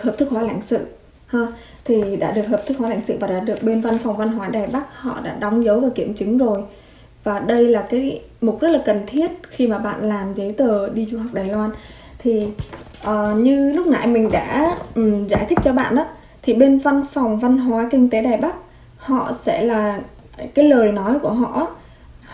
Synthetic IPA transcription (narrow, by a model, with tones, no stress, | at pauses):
həː˨˩p̚t̪ʰɨ˦˥k̚waː˨˦la̰˧˩jŋ̟sɨ̰˧˨ | həː˧ | t̪ʰi˨˩ɗa̰ː˧˥ɗɨ˨˩ək̚həː˨˩p̚t̪ɨ˦˥k̚waː˨˦la˧˩jŋsɨ̰˧˨vaː˨˩ɗa̰ː˧˥ɗɨ˨˩ək̚ɓe˧nva˧nfa˨˩wŋ͡mva˧nɦwaː˨˦ɗaː˨˩jɓa˦˥k̚hɔ̰˧˨ɗa̰ː˧˥ɗɔ˨˦wŋ͡mzə˨˦wvaː˨˩wkḭ˧˩əmt͡ɕɨ˨˦ŋzo˨˩j | vaː˨˩ɗə˧jlaː˨˩kaː˨˦j | m̚˨˩zə˦˥t̚laː˨˩kə˨˩nt̪ʰi˦˥ət̚xi˧maː˨˩ɓa̰ː˧˨nlaː˨˩mzəː˨˦jt̪əː˨˩ɗi˧zu˧ɦa˨˩wk͡p̚ɗaː˨˩jlwaː˧n | t̪ʰi˨˩ | ʔəː˨˩ɲɨ˧lʊ˦˥k͡p̚na̰˧˩jmï˨˩ŋ̟ɗa̰ː˧˥ʔza̰ː˧˩jt̪ʰï˦˥k̟̚t͡ɕɔ˧ɓa̰ː˧˨nʔaː˨˦ | t̪ʰi˨˩ɓe˧nva˧nfa˨˩wŋ͡mva˧nɦwaː˨˦kï˧ŋ̟t̪e˨˦ɗaː˨˩jɓa˦˥k̚ | hɔ̰˧˨sɛ̰˧˥laː˨˩ | kaː˨˦jləː˨˩jnɔ˨˦jku˧˩əɦɔ̰˧˨ʔ